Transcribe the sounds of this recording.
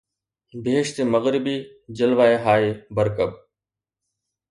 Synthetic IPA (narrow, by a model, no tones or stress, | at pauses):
bɪɦeːʃt̪eməɣɾɪbiː | d͡ʑəlʋaːeɦaːebəɾkəb̚